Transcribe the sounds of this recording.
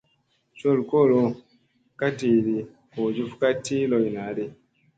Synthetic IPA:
t͡ʃo˦˨lko˦˨lo˧ | ka˦ti˨ɾi˨ | o˨d͡ʒu˦fka˦ti˦lo˨jna˨ɾi˦

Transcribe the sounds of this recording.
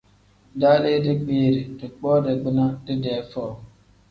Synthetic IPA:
daː˦le˦dɪ˦k͡piː˨ɾi˨dʊ˨k͡pɔː˦de˨ɡ͡bi˦na˦dɪ˦de˨˦fɔː˦˨

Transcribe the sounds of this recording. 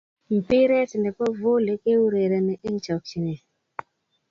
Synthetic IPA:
m̩˨pi˦ɾɛ˦ti˨ndɛ˨pɔ˦vo˦le˨˦ke˦wu˦ɾe˨ɾɛ˨nɛ˨ʔi˦ŋ˦t͡ʃa˨k̚t͡ʃi˨nɛ˨

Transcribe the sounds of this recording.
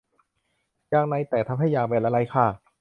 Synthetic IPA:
jaː˧ŋna˧jt̪ɛː˨˩t̪ʰa˦˥p̚ha˥˩jːaː˧˩bɛː˧˩la˧la˧jkʰaː˧˩

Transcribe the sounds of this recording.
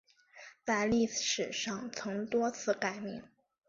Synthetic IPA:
t͡sa˥˧ɪli˥˩ʂɻ̩˨˩ʂɑ˥˩ŋt͡sʰɤ˧˥ŋt̪wɔ˥t͡sʰɹ̩˥˩ka˨˩ɪmi˥˩ŋ

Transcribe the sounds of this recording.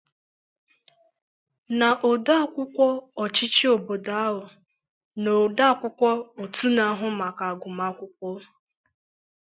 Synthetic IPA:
na˨ʔo˨da˦˨kʷʊ˦kʷɔ˦ɔ˨t͡ʃi˦t͡ʃi˦o˨bo˨da˨a˦ɦʊ˨ | no˨da˦˨kʷʊ˦kʷɔ˦o˨tu˦na˨˦ɦʊ˦ma˨ka˨a˨ɡʊ˨ma˦kʷʊ˦kʷɔ˦

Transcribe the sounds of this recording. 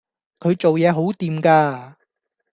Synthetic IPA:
kʰɵ˨˧ɥt͡ʃo˨wjɛː˨˧ɦo˨˥wt̪iː˨˧mkaː˧

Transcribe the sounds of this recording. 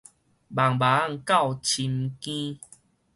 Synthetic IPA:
ba˨˩ŋba˨˦a˦˧˨ŋka˥˧˨wt͡ɕʰi˧mkĩ˦

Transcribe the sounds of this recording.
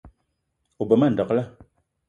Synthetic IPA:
u˨bɔ˨ma˦˨n̩˨dɔ˨kla˦

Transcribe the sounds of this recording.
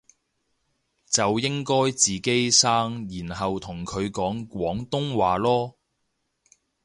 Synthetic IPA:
t͡sɐ˨wjɪ˥ŋkɔː˥jt͡siː˨ke˥jsaː˥ŋjiː˨˩nɦɐ˨wt̪ʰʊ˨˩ŋkʰɵ˨˧ɥkɔː˨˥ŋkʷwɔː˨˥ŋt̪ʊ˥ŋwaː˨lɔː˥

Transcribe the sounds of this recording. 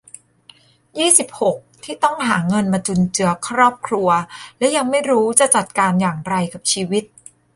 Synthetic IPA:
jiː˥˩si˨˩p̚ho˨˩k̚t̪ʰiː˥˩t̪ɔ˥˩ŋɦaː˩˦ŋɤ˧nmaː˧t͡ɕu˧nt͡ɕɯ˧ɐkʰɾɔː˥˩p̚kʰɾu˧ɐlɛ˦˥wja˧ŋma˥˩jɾuː˦˥t͡ɕa˨˩t͡ɕa˨˩t̪̚kaː˧njaː˨˩ŋɾa˧jka˨˩p̚t͡ɕʰiː˧wi˦˥t̪̚

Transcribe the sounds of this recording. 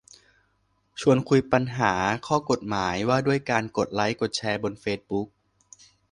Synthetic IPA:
t͡ɕʰu˧ənkʰu˧jpa˧nɦaː˩˦kʰɔː˥˩ko˨˩t̪̚maː˩˦jwaː˥˩du˥˩əjkaː˧nko˨˩t̪̚la˦˥jko˨˩t̪̚t͡ɕʰɛː˧bo˧nfeː˦˥t̪̚bu˦˥k̚

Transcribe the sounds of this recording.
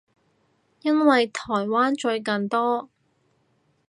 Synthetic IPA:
jɐ˥nwɐ˨jt̪ʰɔː˨˩jwaː˥nt͡ʃɵ˧ɥkɐ˨nt̪ɔː˥

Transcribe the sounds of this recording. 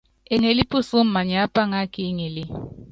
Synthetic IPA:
ɛ˦ŋe˨li˦pʰu˦su˦m̩˦ma˨ɲa˦pʼa˦ŋa˦kʰʼi˦ŋe˨lɪ˦

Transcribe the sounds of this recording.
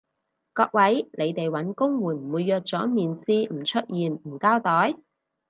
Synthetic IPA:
kɔː˧k̚wɐ˨˥jnʔe˨˧jt̪e˨jwɐ˨˥nkʊ˥ŋwuː˨˩nm̩˨˩wuː˨˧jːœː˨˧k̚t͡sɔː˨˥miː˨nsiː˥m̩˨˩t͡ʃʰɵ˥t̚jiː˨˧nm̩˨˩kaː˥wt̪ɔː˨˥j

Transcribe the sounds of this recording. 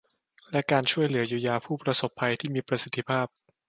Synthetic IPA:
lɛ˦˥kaː˧nt͡ɕʰu˥˩əjlɯ˩˦ɐjuː˧jaː˧pʰuː˥˩pɾa˧so˨˩pʰːa˧jt̪ʰiː˥˩miː˧pɾa˧si˨˩t̪ʰːi˦˥pʰaː˥˩p̚

